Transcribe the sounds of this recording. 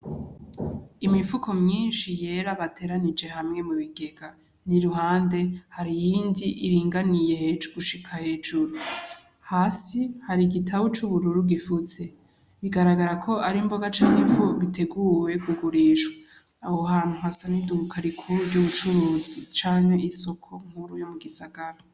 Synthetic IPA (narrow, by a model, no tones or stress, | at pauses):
imifukʰo̞mɲiːnʃije̞ɾaβatʰe̞ɾanid͡ʒe̞ɦamŋe̞muβiɡe̞ɡa | niɾuhaːnde̞haɾijiːndiʔːɾiːŋɡanije̞hed͡ʒɡuʃikʰahe̞ːd͡ʒuɾu | haːsihaɾiɡitʰaβot͡ʃuβuɾuɾuɡifuze̞ | βiɡaɾaɡaɾakʰo̞ʔaɾimbo̞ɡat͡ʃaːŋefoβite̞ɡuːwe̞ɡuɡuɾiʒa | awoɦaːn̥huɦasanidukʰaɾikʰuɾuɾɟuβut͡ʃuɾuːzit͡ʃaːnhe̞iso̞kʰo̞ŋ̥uɾujomuɡisaɡaɾa